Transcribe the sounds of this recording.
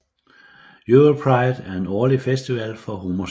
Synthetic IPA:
juopʰʁɑ̈ɪd̥æɐe̝nɒːlifesd̥iʋæl̰fɒ̽ɦomo

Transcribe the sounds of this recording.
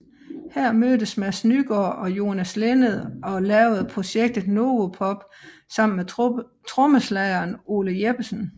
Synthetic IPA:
hæɐ̰møːd̥əsmæsnyɡ̥ɒːʔɒ̽jo̝ːnæslenəð̩ˠɒ̽lɛːʊð̩ˠpʰʁo̝ɕeɡ̥̚d̥ð̩ˠno̝ːopʰɒ̽b̥ | sɑ̈m̰n̩me | t͡sʰʁɔ̽məslæɪɐːno̝̰ːləjeb̥əsn̩

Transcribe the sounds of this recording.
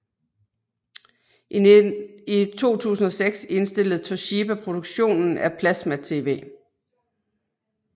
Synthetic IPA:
it͡sʰo̝̰ːt͡sʰṵːsn̩ɒ̽seɡ̥se̝nsd̥e̝l̰əð̞̩ˠt͡sʰɒɕib̥æpʰʁo̝d̥oɡ̥ɕo̝̰ːnn̩æpʰlæsmæ̥t͡sʰe̝̰ːʋe̝̰ː

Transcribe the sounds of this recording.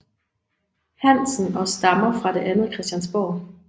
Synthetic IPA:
hæn̰sn̩ɒ̽sd̥ɑ̈mɐfʁɑ̈d̥e̝ʔænð̩ˠkʰʁɛsd̥jænsb̥ɒː

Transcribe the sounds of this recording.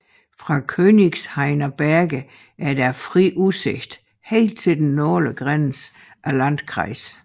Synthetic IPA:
fʁɑ̈kʰøniɡ̥shɑ̈ɪnɐb̥æɐɡ̥ə | ʔæɐd̥æɐfʁiʔuse̝ɡ̥d̥ | he̝̰ːld̥̚t͡sʰe̝ld̥enːoːləɡ̥ʁan̰s | ʔælæn̰d̥kʰʁɑ̰̈ɪs

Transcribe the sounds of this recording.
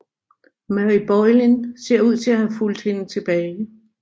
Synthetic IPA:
mæʁib̥ɒɪlinse̝ɐ̰uð̞̰ˠt͡sʰe̝læhæful̰d̥he̝nət͡sʰe̝b̥ɛːɪɪ

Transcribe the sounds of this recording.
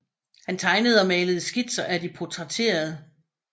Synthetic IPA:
hænt͡sʰɑ̈ɪnəð̞̩ˠɒ̽mɛːləð̞̩ˠsɡ̥id̥sɒʔæd̥ipʰo̝t͡sʰʁɑt͡sʰe̝̰ːɐð̞̩ˠə

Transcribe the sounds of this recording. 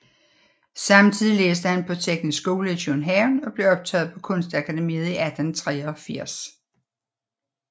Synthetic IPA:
sɑ̈mt͡sʰið̰ˠileːsd̥əhænpʰɒ̽t͡sʰeɡ̥nisɡ̥o̝ːləiɕʰonɦɛʊnɒ̽b̥le̝ɒ̽b̥̚t͡sʰɛ̰ːð̞̩ˠpʰɒ̽kʰɔ̽nsd̥ækʰæd̥emḭːð̞̩ˠiʔæd̥nt͡sʰʁɛːɒ̽fiɐ̰s

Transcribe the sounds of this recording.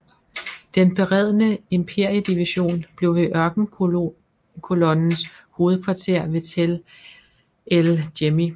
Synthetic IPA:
d̥enb̥e̝ʁɛð̞̰ˠənəempʰe̝ɐ̰jəd̥iʋiɕo̝̰ːnb̥le̝ʊʋe̝ʔɶɐɡ̥n̩ | kʰo̝lɒ̽nn̩sho̝ːð̞̩ˠkʰʋɑ̈t͡sʰe̝ɐ̰ʋe̝t͡sʰel | eld̥emi

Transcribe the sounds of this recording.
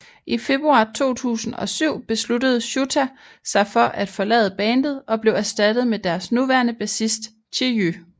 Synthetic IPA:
ʔife̝b̥ʁuɑ̈ːt͡sʰo̝̰ːt͡sʰṵːsn̩ɒ̽syʊ̰b̥e̝slud̥əð̞̩ˠɕut͡sʰæ | sɑ̈ɪfɒ̽ʔæd̥fɒ̽lɛ̰ːð̩ˠəb̥ɛːnd̥ð̩ˠɒ̽b̥le̝ʊæɐsd̥æd̥ð̩ˠmed̥æɐsnuʋæɐnəb̥æsisd̥ | t͡sʰejø

